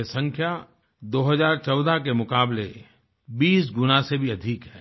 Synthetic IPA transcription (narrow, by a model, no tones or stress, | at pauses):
esɐ̃ŋkʰja | d̪oːɦɐzaːɾt͡ʃɔːd̪ak̬emʊkaːble | biːsɡʊnasebʱiɐd̪ʱikɦɛː